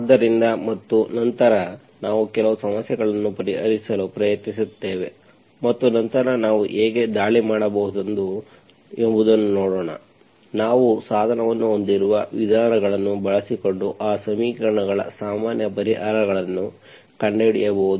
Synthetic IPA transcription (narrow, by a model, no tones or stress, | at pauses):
d̪ːɐɾind̪ɐmɐt̪ːunɐnt̪ɐɾɐ | naːʋukɛlɐʋusɐmɐsjɛɡɐɭɐnːupɐɾiɦɐ̰ɾisɐlupɾɐjɐt̪nisut̪ːeːʋe̞ | mɐt̪ːunɐnt̪ɐɾɐnaːʋṵʔeːɡe̞d̪aːɭimaːɽɐbɐɦud̪end̪u | embud̪ɐnːunoːɽoːɳɐ̰ | naːʋusaːd̪ʱɐnɐʋɐnːuond̪iɾuʋɐʋid̪ʱaːɾɐɡɐɭɐnːubɐɭɐsiko̞ɳɖuʔaːsɐmiːkɐɾɐɳɐɡɐɭɐ̰saːmaːnjɐpɐɾiɦaːɾɐɡɐɭɐnːu | kɐɳɖeɽijɐbɐɦud̪u